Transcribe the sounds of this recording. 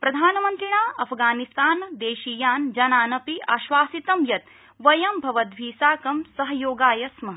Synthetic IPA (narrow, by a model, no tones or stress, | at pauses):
pɾɐd̪ʱaːnɐmɐnt̪ɾiɳaːʔɐpʰɡaːnist̪aːnd̪eːʃijaːnd͡ʒɐnaːnɐpiʔaːʃʋaːsit̪ɐmjɐt̪ | ʋɐjɐmbʱɐʋɐt̪ʋʱiːsaːkɐmsɐɦɐjoːɡaːjɐsmɐ